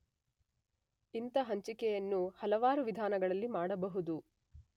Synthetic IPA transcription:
int̪ɐɦɐɲt͡ʃikɛjɐnːuhɐlɐʋaːɾuʋid̪ʱaːnɐɡɐɭɐlːimaːɽɐbɐɦud̪u

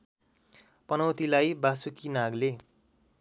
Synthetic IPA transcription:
pʌnʌwt̪ilajbasukinaɡle

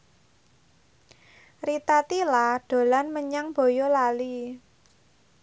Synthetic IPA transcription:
rit̪at̪ilaɖ̪̥o̤lanməɲaŋb̥o̤jolali

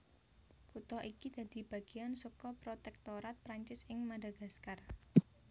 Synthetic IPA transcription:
kut̪ɔʔikid̪̥a̤d̪̥i̤b̥a̤ɡ̥iansukɔpɾot̪ɛk̚t̪oɾat̪̚pɾaɲt͡ʃɪsɪŋmadaɡ̥askar

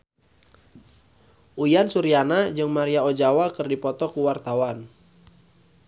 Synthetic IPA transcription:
ʔujansuɾianad͡ʒɨŋmaɾiaɔd͡ʒawakɨrdipɔt̪ɔkuwart̪awan

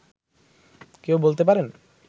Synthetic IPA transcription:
kewbolt̪ep̬aɾen

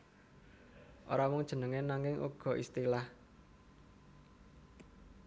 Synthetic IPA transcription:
ʔo̰ɾawʊŋd̥ʒ̥ə̤nəŋenaŋɪŋʔṵɡ̥ɔ̤ʔist̪ilah

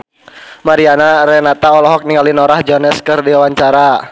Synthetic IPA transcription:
maɾianaɾɛnat̪aɔlɔɦɔk̚niŋalinɔɾahd͡ʒɔnɛskɨrdiwawaɲt͡ʃaɾa

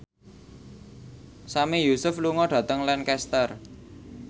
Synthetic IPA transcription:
samijusʊfluŋɔɖ̥ä̤t̪əŋlankɛst̪ər

